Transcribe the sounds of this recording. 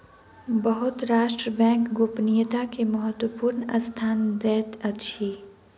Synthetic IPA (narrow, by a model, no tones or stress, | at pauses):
bəɦʊt̪ɾaːʃʈɾəbɛ̃ːŋkɡoːpnijət̪akemɐɦət̪wəpuːɾnɐ̰st̪ʰaːnd̪ɛːt̪ɐʃʰiː